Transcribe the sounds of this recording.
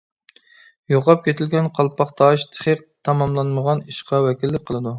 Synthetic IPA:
joqɑp̚kʲʰet̪ʰɪlɡʲɛnqʰɑlˠpʰɑχt̪ʰɑʃt̪ʰə̥χəq̚t̪ʰɑmɑmlˠɑnməʁɑniʃqɑwɛkʲilːɪk̚ʲqʰəlˠɨd̪u

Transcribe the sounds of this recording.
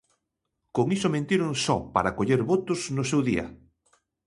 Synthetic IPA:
koŋisomẽnt̪iɾoŋsɔpa̰ɾakoʎeɾβot̪ʊsnʊsewðiɐ̰

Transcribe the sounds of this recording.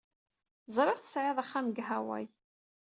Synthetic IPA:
zˤɾˤɪʁθə̥sʕeðˤaχːamɡɦæwæ̰j

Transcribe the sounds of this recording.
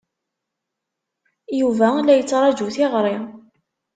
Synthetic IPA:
juvælæjət͡sːɾˤɑd͡ʒuθɪʁɾˤɪ

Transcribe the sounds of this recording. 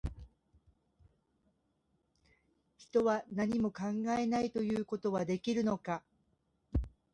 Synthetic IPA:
çi̥t̪o̞βanaɲ̟imo̞kãŋɡae̞nait̪o̞jɯ̟ːko̞t̪o̞βad̪e̞kʲiɾɯ̟no̞ka

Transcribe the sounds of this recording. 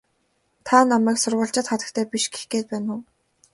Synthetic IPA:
t̪ʰanamæːksʊrʁʊːɬt͡ɕɪ̆t̪χat̪ə̆kt̪ʰæːpiʃɡe̥xɡeːt̪̚pæːnʊː

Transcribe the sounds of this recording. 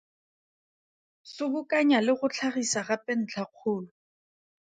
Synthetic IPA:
sʊbʊkʼaɲalɪχʊt͡ɬʰaχisaχapʼɛn̩t͡ɬʰaq͡χʰʊːlʊ

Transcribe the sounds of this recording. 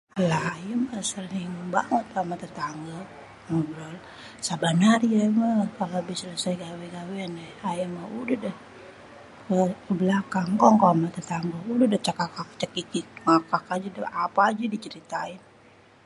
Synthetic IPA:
lahajəməsalniŋəba̰ŋət̪̚amat̪ət̪aŋɡə | məbɾɔl | sabanaɾiaməkalabisələsajɡaweɡaweanɛhajəməudəhdəh | kəkəbəlakaŋkɔŋkɔmat̪ət̪aŋɡəudəhdəht͡ʃakakak̚t͡ʃəkikiŋakakad͡ʒadəapaːd͡ʒadit͡ʃəɾit̪ain

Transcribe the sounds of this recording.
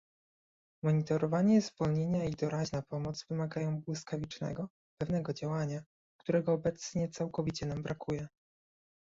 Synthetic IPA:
mɔɲit̪ɔɾɔvaɲɛzvɔlɲeɲaid̪ɔɾaʑnapɔmɔd̪zvɘmaɡajɔ̃w̃bwɘskavʲit͡ʂnɛ̰ɡɔ | pɛvn̪ɛɡɔd͡ʑawaɲa | kt̪uɾɛɡɔːbɛt̪sɲɛt̪sawkɔvʲit͡ɕɛnambɾʔakujɛ

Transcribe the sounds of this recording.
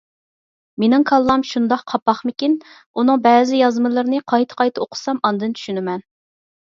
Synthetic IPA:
menɪŋkʰɑlˠːɑmʃund̪ɑqqʰɑpːɑχmɪkʲin | unɨŋbɛzɪjɑzmɨlˠəɾnɨqʰɑjt̪ʰə̥qʰɑjt̪ʰɨoqʰʊ̥sɑmɑnd̪ɨnt͡ʃʰy̥ʃynɪmɛn

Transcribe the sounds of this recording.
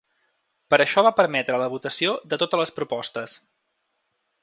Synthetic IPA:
pəɾəʃɔβapəɾmɛt̪ɾələβut̪əsiod̪ət̪ot̪ələspɾupɔst̪əs

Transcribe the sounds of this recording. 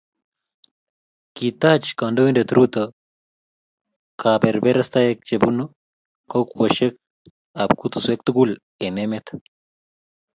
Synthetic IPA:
kit̪at͡ʃkandowindet̪ɾut̪ɐ | kʰaːbeɾbeɾɐst̪ajek̚d͡ʒebuno | kokwɐʃek̚ | abkut̪uswek̚t̪uɡul | ememet̪

